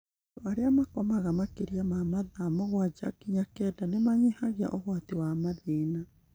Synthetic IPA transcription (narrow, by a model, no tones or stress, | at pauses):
oaɾeamakɔmaɣamakeɾiamamaðamoɣwad͡ʒa̰kiɲakɛdanemaɲihaɣea̰ʔoɣwatewamaðeːna